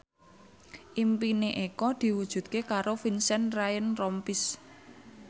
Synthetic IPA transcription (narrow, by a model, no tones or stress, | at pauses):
ʔimpineʔekɔd̪̥i̤wud̥ʒ̥ṳt̪̚kekaɾofinsɛnrajənrɔmpis